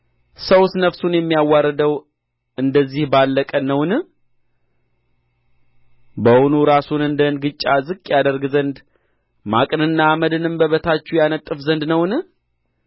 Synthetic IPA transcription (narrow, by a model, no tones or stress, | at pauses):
səwsnəfsunjɛmːijawːaɾːəd̪əw | ɨnd̪əzːihbalːəkʼənːəwnɨ | bəhonuɾasunɨnd̪ənɡɨt͡ʃʼːazɨkʼːjad̪əɾɡzənd̪ | makʼnɨnːaːməd̪ɨnɨmbəβət̪ʰat͡ʃːujanət̪ʼːɨfzənd̪nəwnɨ